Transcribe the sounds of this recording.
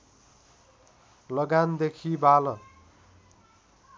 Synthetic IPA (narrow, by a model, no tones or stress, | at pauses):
lʌɡand̪ekʰibalʌ